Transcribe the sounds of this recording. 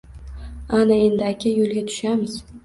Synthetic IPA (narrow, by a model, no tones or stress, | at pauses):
anae̞nd̪ɪakʲʰajolɡʲat̪ʰʊ̥ʃamɪz